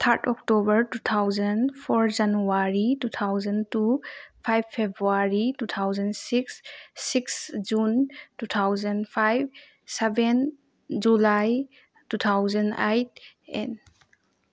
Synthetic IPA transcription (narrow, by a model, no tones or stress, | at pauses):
t̪ʰaɾtʰɔk̚tobəɾtut̪ʰawzɐnpʰɔɾd͡ʒanuaɾitut̪ʰawzəntupʰajbpʰebɾuaɾitut̪ʰawzɐnsiksːiksd͡ʒuntutʰawzənpʰajb̚ | seben | d͡ʒulaj | tut̪ʰawzɐnejt̚ḛn